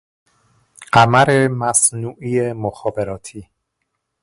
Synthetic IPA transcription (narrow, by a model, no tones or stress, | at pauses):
ɢ̥æmæɾemæsnuːʔijemoxɒːbeɾɒːt̪ʰiː